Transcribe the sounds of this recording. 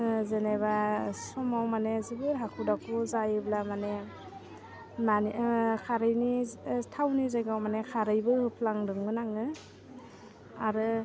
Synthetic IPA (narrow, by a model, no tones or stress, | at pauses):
zeneβasɔmawmanezibɯɾɦakʰudakʰuzajɯblamane | mankʰaɾɯjnitʰawnizajɡawmanekʰaɾɯjbɯhɯpʰlaŋdɯŋɯnaŋɯ | aɾɯ